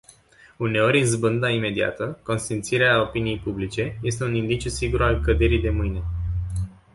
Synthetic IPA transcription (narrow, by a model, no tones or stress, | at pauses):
une̞o̞ɾʲzbɨnd̪aime̞d̪ia̰t̪əko̞nst̪int̪siɾeao̞pinije̞jpublit͡ʃe̞je̞st̪e̞unind̪it͡ʃusiɡuɾalkəd̪e̞ɾid̪e̞mɨjne̞